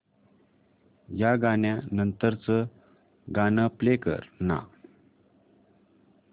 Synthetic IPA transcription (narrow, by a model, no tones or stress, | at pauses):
jaɡanjanənt̪əɾt͡sə | ɡanəplekə̰ɾna̰